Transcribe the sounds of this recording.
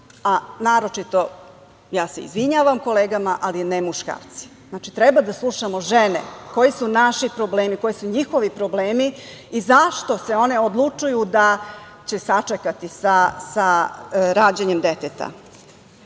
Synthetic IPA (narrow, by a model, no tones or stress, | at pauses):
anaːɾo̞t͡ʃit̪o̞ | jaːseḭzʋiɲaːʋamko̞leːɡamaʔalinemuʃka̰ːɾt̪si̥znaːt͡ʃit̪ɾebad̪aslˠuʃamoʒenḛko̞jisunaʃipɾobleːmiko̞jisuɲixo̞ʋipɾo̞bleːmi | izaʃt̪o̞se̞o̞ne̞od̪lˠut͡ʂujud̪a | t͡ɕe̞sat͡ʂekat̪isasaɾaːd͡ʑeɲemd̪e̞t̪et̪a̰